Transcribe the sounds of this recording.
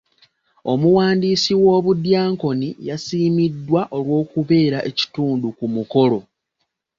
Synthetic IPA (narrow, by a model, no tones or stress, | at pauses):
o̞muwaːndiːsiwo̞ːβudjaːŋko̞nijasiːmidːwaʔo̞lwo̞ːkuβe̞ːɾaʔe̞ci̥tuːndukumuko̞lo̞